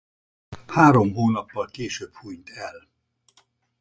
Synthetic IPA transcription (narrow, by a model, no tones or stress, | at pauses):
haːɾo̞mɦoːnɒpːɒlkeːʃøːbhujɲt̪ɛl